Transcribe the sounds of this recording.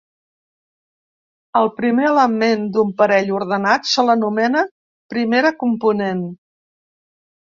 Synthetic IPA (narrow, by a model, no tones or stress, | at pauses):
əlˠpɾimeələmend̪umpəɾɛʎuɾð̞ənat̪sələnumɛnə | pɾimeɾəkumpunen